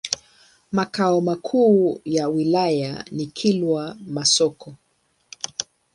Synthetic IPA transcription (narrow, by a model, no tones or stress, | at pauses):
makaɔmakʰuːjawilaja̰nikʰilwamasɔkɔ